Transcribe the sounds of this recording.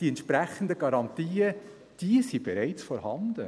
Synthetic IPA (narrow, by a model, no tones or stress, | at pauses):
d̥iɛntʃpɾæχən̩dəɡɑɾɑnt̪iːə | d̥iəsib̥ɛɾæɪt͡sfɔɾhɑndə